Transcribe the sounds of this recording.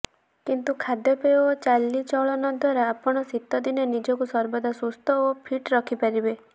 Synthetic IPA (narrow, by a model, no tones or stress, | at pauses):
kint̪ukʰad̪jɔpeot͡ʃalːit͡ʃɔɭɔnɔd̪ʱwaɾaːpɔɽ̃ɔsit̪ːɔd̪inenid͡ʒɔkusɔɾbɔd̪asust̪ɔopʰiʈɾɔkʰipaɾibe